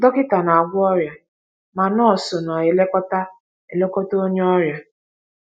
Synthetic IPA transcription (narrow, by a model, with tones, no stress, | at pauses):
dɔ˦kɪ˦ta˨na˨a˨ɡʷʊ˦ɔ˦ɾja˨ | ma˨nɔ˦˨so˨na˨ɪ˨le˦kɔ˦ta˦ | e˨le˦kɔ˦to˦ɲ˦ɔ˦ɾja˨